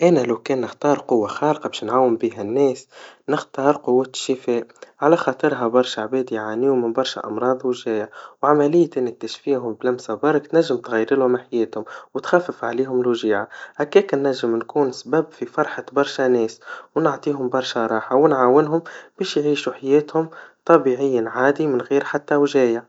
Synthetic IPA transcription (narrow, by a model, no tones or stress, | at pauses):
ʔænælæwkɛːnːɪxt̪ɑːɾˤqʊwːaxɑːlqɑbɛːʃnʕaːwɪmbiːɦænːɛːsnɪxt̪ɑːɾˤqʊwːaʃːɪfɛːʔʕalæxɑːt̪ˤɨɾɦabɑɾˤʃaʕbɛːd̪jʕaːniːʊmɪnbɑɾˤʃa̰ʔɑ̰mɾˤɑːðˤwɪʒɛːjʕwʕamælɪjːʔɪnːɪk̚t̪æʃfiːɦʊmblæmsabɑɾˤk̚t̪næʒːɪmt̪ɣæjːɾɪlmaħajɛːt̪hʊmwɪt̪xæfːɪfʕaleːɦʊmlʒiːʕaʔækɛːknːæʒːɪmnkuːnsbæbfifɑɾˤħabɑɾˤʃanɛːswnʊʕt̪ˤiːɦʊmbɑɾˤʃaɾˤɑːħawɪnʕaːwɪnɦʊmb̥ɛːʃjʕiːʃuħajɛːt̪hʊmt̪ˤɑbiʕɪjːanʕaːd̪imɪnɣiːɾħat̪ːawʒɛːjaʕ